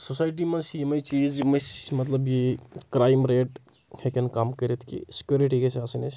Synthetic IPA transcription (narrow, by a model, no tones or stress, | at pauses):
sosaːjʈ̬imɐnsimɐjt͡ʃiːd͡ʒmɐsmɐt̪ləbjikɾaːjmɾeːʈ | hekenkaːmkəɾet̪ʰkḭsi̥kjuɾiʈikesaːsinɐt͡ʃ